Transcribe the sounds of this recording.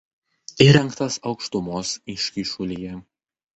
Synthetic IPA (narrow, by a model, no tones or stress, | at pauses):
iːɾʲɛŋkt̪ɐsɒʊkʃt̪ʊmoːsɪʃʲkʲiʃʊlʲijɛ